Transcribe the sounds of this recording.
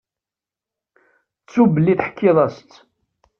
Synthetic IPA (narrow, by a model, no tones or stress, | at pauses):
t͡sːubəlːiθħə̥kʰːɪðˤɑst͡s̪ː